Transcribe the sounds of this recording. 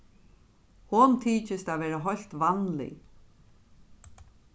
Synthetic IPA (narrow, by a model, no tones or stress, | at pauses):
hʊnt̪ʰiːt͡ʃɪst̪aːvɛːɾaɦɔjl̥t̪vanlɪ̰